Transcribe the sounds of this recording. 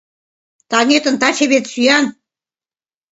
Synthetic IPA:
t̪ɑnʲet̪ə̆nt̪ɑt͡ɕeβet̪syjɑn

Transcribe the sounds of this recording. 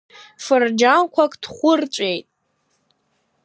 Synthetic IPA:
fɨrd͡ʒankʷʰakʼd̥χʷʊrt͡ʃʷʼejtʼ

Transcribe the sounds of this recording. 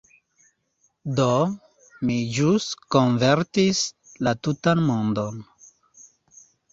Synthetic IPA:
do | mid͡ʒustkonveɾtis | latutanmondon

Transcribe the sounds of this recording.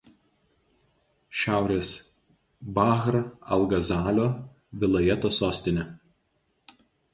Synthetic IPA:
ʃʲæˑʊɾʲeːs | bɑɣɾɐ̰lˠɡɐzɑːlʲoː | ʋʲɪlˠɐjɛt̪oːsoːsʲt̪ʲɪnʲɛ

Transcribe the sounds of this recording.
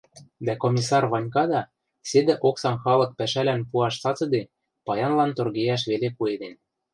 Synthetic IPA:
d̪ækomʲisɑrβɑnʲkɑd̪ɑ | sed̪ɘ̆ʔoksɑnxɑlɤ̆k̚pæʃælænpuɑʃt͡sɑt͡sɤ̆d̪e | pɑjɑnlɑnt̪orɣejæʃ̬βelekued̪en

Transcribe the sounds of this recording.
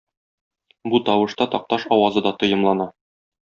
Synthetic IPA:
but̪ɒwɤ̆ʃt̪ɑt̪ɒq̚t̪ɑʃɒwɑzɤd̪ɒt̪ɤ̆jɤ̆mlˠɑnɑ

